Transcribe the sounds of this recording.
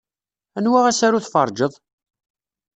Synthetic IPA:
ænwaʁæsaɾuθfɑ̰ɾˤd͡ʒəðˤ

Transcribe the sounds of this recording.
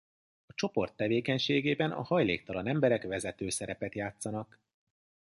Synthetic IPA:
ɒt͡ʃo̞po̞rt̪ːɛveːkɛɲʃeːɡeːbɛnɒ̰hɒjleːk̚t̪ɒlɒnɛmbɛɾɛkvɛzɛt̪øːsɛɾɛpɛt̪jaːt̪sɒnɒk

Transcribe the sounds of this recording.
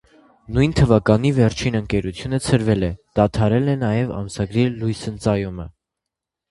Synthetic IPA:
nujnt̪ʰəvɑkɑn̪ivɛɾt͡ʃʰinəŋkɛɾut͡sʰjunət͡sʰəɾvɛlɛd̪̥ɑt̪ʰɑɾɛlɛnɑjɛvɑ̰msɑɡɾilujsənt͡sɑjumə̰

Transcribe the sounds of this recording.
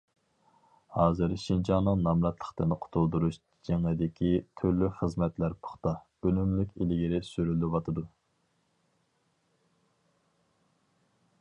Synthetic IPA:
hɑːzɨɾʃind͡ʒɑnːɨŋnɑmlɛt̪ʰlˠə̥χt̪ɪnqʰʊ̥t̪ʰulˠd̪uɾuʃ | d͡ʒeŋlɪd̪ɪkʲʰit̪ʰyɾlyχəzmɛt̪læɾpʰo̥χt̪ɑ | ølymlykʲilɪɡʲiɾɪsyɾylywɑt̪ʰɨd̪u

